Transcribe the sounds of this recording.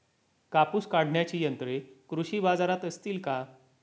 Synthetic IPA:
kapuːskaɽ̤ʱɳjat͡ɕiːjənt̪ɾekɾuɕiːbad͡zaɾat̪əst̪iːlka

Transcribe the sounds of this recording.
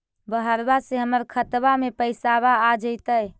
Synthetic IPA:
bəɦəɾbaseɦəməɾkʰət̪bamepəɪsaβaːd͡ʒəɪt̪əj

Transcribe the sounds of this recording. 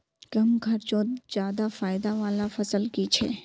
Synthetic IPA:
kɐmkʰɐɾt͡ʃõd͡ʒjaːd̪afaːɪd̪aʋaːlafɐsəlkit͡ʃʰe

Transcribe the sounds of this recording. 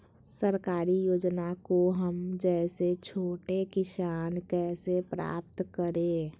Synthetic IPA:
səɾkaːɾijoːd͡ʒnakoɦəmd͡ʒɛːset͡ʃʰoːʈekɪsaːnkɛːsepɾa̰ːp̚t̪kəɾẽː

